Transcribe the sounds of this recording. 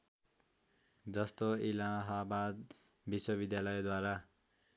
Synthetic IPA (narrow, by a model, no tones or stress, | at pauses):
d͡zʌst̪oilaɦabad̪ | biswʌbid̪jalʌjd̪waɾa